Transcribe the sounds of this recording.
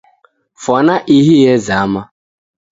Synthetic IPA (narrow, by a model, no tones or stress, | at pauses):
fɔnaʔiɦijezaama